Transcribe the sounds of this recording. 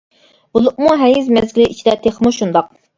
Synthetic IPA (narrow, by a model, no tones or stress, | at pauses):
bulˠupmuɦɛjizmɛzɡʲilɪʔit͡ʃʰid̪ɛt̪ʰeχmuʃund̪ɑq̚